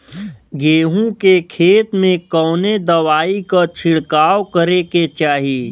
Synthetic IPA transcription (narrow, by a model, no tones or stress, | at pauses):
ɡeːɦũkekʰeːt̪mẽkɔːned̪ɐʋaːikat͡ʃʰɪɽkaːwkəɾeket͡ʃaːɦieː